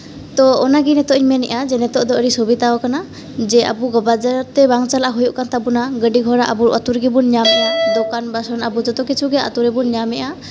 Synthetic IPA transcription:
t̪ɔɔnaɡinɛt̪ɔʔɲmɛnɛʔad͡ʒɛnɛt̪ɔʔd̪ɔəɾisubit̪aɔkana | d͡ʒɛʔa̰buɡɔbad͡ʒəɾt̪ɛbaŋt͡ʃalaʔaɦujuʔkant̪abunaɡəɖiɡʱɔɾaʔa̰buɾʔɔ̰t̪uɾɡɛbunɲamɛad̪ɔkanbasɔnabud͡ʒɔt̪ɔkit͡ʃʰuɡɛa̰t̪uɾɛbunɲamɛʔa

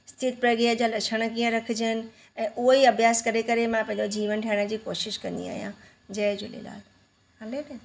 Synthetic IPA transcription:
ɪst̪ʰɪt̪̚pɾɐɡiəd͡ʑaːlɐʃʰəɽ̃ə̆kiːə̃ɾɐkʰɪd͡ʑəɪnɪ̆ | ɛ̃ːʔʊɦoiɐbʱjaːskɐɾekɐɾemãpɐ̃ɪ̃ɲd͡ʑod͡ʑiːʋənʈʰɛːɪɽ̃əd͡ʑiːkoːʃɪʃkɐ̃nd̪ḭa̰ːɦijã̰ | d͡ʑɐɦd͡ʑʊ̰lḛla̰ːl | aled

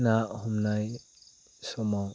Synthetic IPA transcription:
nahɔmnaj | sɔmaw

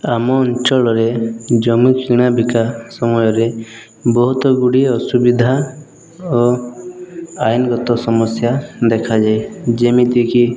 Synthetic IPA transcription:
amɔːnt͡ʃɔlɔɾed͡ʒɔmikiɽ̃abikasɔmɔjɔɾe | bɔɦut̪ɔɡuɽiɔsubid̪ʱa | ɔ | ainɡɔt̪ɔsɔmɔsjad̪ekʰad͡ʒajd͡ʒemit̪ĩki

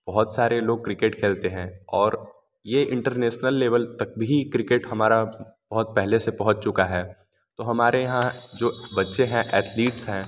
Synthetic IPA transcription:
b̥ɐɦʊt̪saːɾeloːɡ̚kɾɪkeːʈkʰeːlt̪eɦɛ̃ːɔːɾ | jeʔɪ̃ɳʈəɾneːʃnəlːeːʋəlt̪ɐk̚bʱikɾɪkeːʈhɐmaːɾab̥ɐɦʊt̪̚pɛɦlesepɐ̃ɦʊ̃t͡ʃt͡ʃʊkaɦɛː | t̪oːɦɐmaːɾejɐɦãd͡ʒoːbɐtːʃeɦɛ̃ʔɛːt̪ʰliːʈsɦɛ̃ː

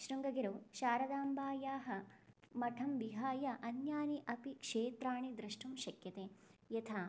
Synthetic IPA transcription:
ʃɾuŋɡɐɡiɾɐʃaːɾɐd̪aːmbaːjaːɦɐmɐʈʰɐmʋiɦaːjɐʔɐnjaːniʔɐpikʂeːt̪ɾaːɳid̪ɾɐʂʈʰumʃɐkjɐt̪eːjɐt̪ʰaː

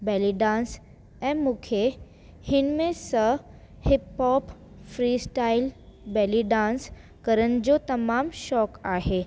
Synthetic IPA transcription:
bɛliɖãːns | ɛ̃mũkʰe | hɪnmẽsə | hɪpɦɔːp | fɾiːsʈailbɛliɖãns | kəɾən̆d͡ʑot̪ɐmaːmʃɔːkaːɦe

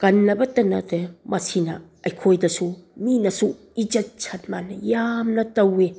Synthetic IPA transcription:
kɐnːɐbɐtɐnɐ̰demɐsinɐ | ɐjkʰojdɐsuminɐsu | id͡ʒɐt̚t͡ʃʰɐt̚manːɐjamnɐtɐwe

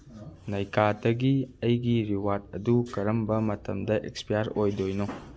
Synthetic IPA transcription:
nɐjkadɐɡiɐjɡiɾiwaɾd̚ɐdukɐɾɐmbɐmɐtɐmdɐʔekspijaɾojdojno

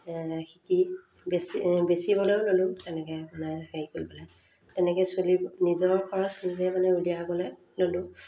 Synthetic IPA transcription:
xiki | beibesibɔlojlolʊ̃tɛnɛkɛmanɛheikoɹibɔlɔj | tɛnɛkɛsolinizɔɹkʰɔɹɔslizɛmanɛulijabɔlɛ | lolʊ̃

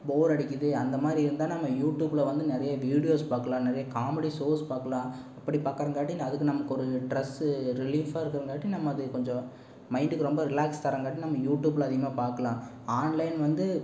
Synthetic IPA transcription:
boːɾɐɽɪkʲːɐðɯɐnd̪ɐmaːd̪ɾiɪɾɯnd̪ãːnɐmːɐjuːʈjuːbɪlɐʋɐnd̪ɯnɛɾɐjɐʋiːɽɪjoːspaːɾkɐlãːnɛɾɐjɐkaːmɛɽisoːspaːɾkɐlãː | ɐpːɐɽipaːɾkɐɾɐŋɡaːʈːinɐðɯkːɯnɐmɐkːɯɔɾɯɖɾɛsɾɪliːfaːɪɾɯkːɐɾɐŋɡaːʈːinɐmːɐɐðɯkɔɲd͡ʒɔ̃ | mɐɪɳɖɯkːɯɾɔmbɐɾɪlaːkst̪ɐɾɐŋɡaːʈːinɐmːɐjuːʈjuːblɐːðɪjɐmaːpaːɾkɐlãː | aːnlɐɪnʋɐnd̪ɯ

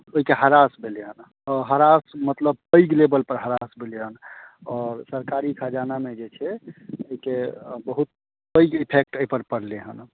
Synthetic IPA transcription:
oɦikeɦəɾasbʱeleɦən | ɔɾɦəɾasmət̪ləb̚pəjɡlebəlpəɾɦəɾasbʱeleɦənɔːɾsəɾkaɾikʰad͡ʒanamed͡ʒet͡ʃʰɛoikebəɦut̪̚ | pəjɡipʰek̚ʈəipəɾpəɽleɦə̰n

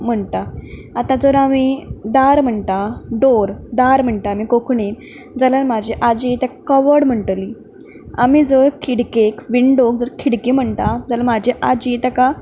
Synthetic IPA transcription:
m̤əɳt̪aat̪ãd͡zəɾamid̪aɾm̤əɳt̪aɖoɾd̪aɾm̤əɳʈaːmikokʰɳiːn | d͡zalaɾmad͡ʑʱiʔad͡ʑit̪akkəʋəɽm̤əɳʈliː | a̰miːd͡zəɾkʰiɽkekʋiɳɖok̚d͡zəɾkʰiɽkiːm̤əɳt̪ad͡zalamad͡ʑʱiʔad͡ʑit̪aka

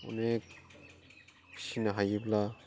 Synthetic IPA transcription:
ɔ̰nek̚ | sinaɦajibla

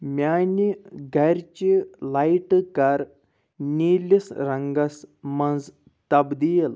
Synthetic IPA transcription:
mʲaniɡʱaɾt͡ɕilajʈkaɾ | nilʲisɾəŋɡasmãnd͡z | t̪abd̪ijel

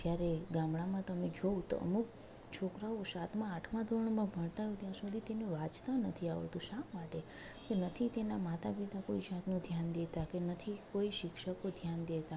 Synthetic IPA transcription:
d͡ʒjaɾeɡamɭamãt̪əmed͡ʒot̪o̰ə̰muk | t͡ʃʰokɾaosat̪mãːʈʰmãd̪ʱoɾɳmãbʱəɳt̪aɦot̪jasud̪ʱit̪enẽʋat͡ʃt̪anət̪ʰiaʋə̰ɭt̪ũʃãmaʈe | kenət̪ʰit̪enamat̪apit̪akoid͡ʒat̪nũd̪ʱjand̪et̪akenət̪ʰikoiʃɪkʃəkod̪ʱjand̪et̪a

